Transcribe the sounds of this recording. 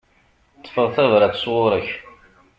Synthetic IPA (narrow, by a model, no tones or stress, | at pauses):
t̪ˤːə̥fəʁθævɾæt͡sːswʊɾəç